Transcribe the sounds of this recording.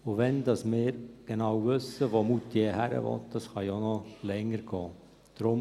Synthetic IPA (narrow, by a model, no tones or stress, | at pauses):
ʊʋɛnd̪ɑsmɪːɾɡ̥enɑwʋʏsːəʋomut̪ːjehæɾə̰ʋɔ̰t̪d̥ɑsχɑjonɔlɛŋːəɾɡ̥ɔː | d̪̥ɾʊm